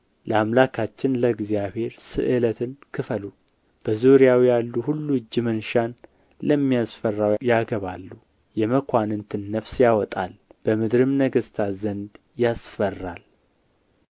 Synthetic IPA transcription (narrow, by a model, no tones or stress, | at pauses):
ləamlakʰat͡ʃːɪnləɡzijaβhe̞ɾsɨ̰ʔɨlət̪ʰɨnkʰɨfəlu | b̥əzuɾijawijalːuhulːuɨd͡ʒːɨmənʃan | ləmːijasfərːawjaɡəβa̰lːu | jɛməkʷʰanɨnt̪ʰɨnːəfsjawɔt̪ʼa̰lb̥əmɨd̪ɾɨmnəɡəst̪ʰazənd̪ | jasfərːal